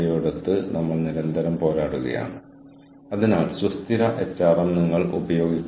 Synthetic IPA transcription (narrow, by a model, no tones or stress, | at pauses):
joːɽɐt̪ːɨnɐmːɐɭniɾɐnd̪ʱɐɾɐmpo̞ːɾaːɽuɣɐ̰ja̰ːɳɨ | ɐðinaːɭsust̪iɾɐʔet͡ɕːaːrɐmniŋːɐɭṵbɐjo̞ːɡikʲː